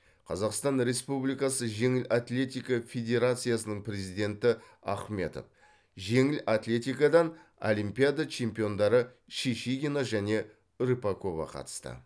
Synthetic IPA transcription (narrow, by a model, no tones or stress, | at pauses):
qʰɑzɑqst̪ɑnɾe̞spublijkɑsəʒe̞ŋɪlʔat̪lʲe̞t̪ʲijkɑfʲe̞d̪ʲe̞ɾat̪sɨjasənəɴpɾe̞zijd̪ʲe̞nt̪ɪ | ɑ̰χme̞̰t̪o̞̰f | ʒe̞ŋɪlat̪lʲe̞t̪ʲijkɑd̪ɑno̰limpijad̪at͡ʃʰe̞mpijo̞nd̪ɑɾə | ʃiʃiɡʲinaʒæne̞ | ɾɨpako̞vɑ̰qʰɑ̰t̪ə̥st̪ə̰